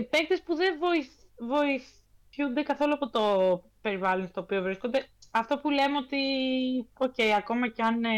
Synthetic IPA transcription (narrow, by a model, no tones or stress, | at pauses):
pe̞k̚t̪e̞spuðe̞voivo̞iθ | und̪e̞kɐθo̞luɐpo̞t̪o̞pe̞ɾivɐlo̞nst̪o̞ːpio̞vɾisko̞nd̪e̞ɐft̪o̞pule̞meo̞t̪i | o̞ce̞iɐko̞mɐceɐn